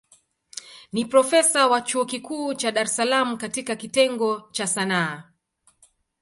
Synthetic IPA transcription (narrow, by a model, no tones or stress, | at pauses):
nipɾɔfɛsawat͡ʃuɔkikuːt͡ʃaɗaɾɛsalamukatikakitɛŋɡɔt͡ʃasanaː